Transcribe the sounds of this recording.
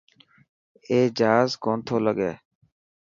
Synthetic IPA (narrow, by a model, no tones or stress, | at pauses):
eːd͡ʒɦaːzkoːnt̪ʰoːləɠeː